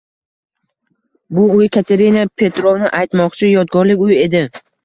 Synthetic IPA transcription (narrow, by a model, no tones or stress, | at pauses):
bʊʊjkʲʰat̪ʰe̞ɾinapʰe̞t̪ɾovnɪʔajt̪mɒqt͡ʃʰɪjɒd̪̚ɡɒɾlɪkʲʊje̞d̪ɪ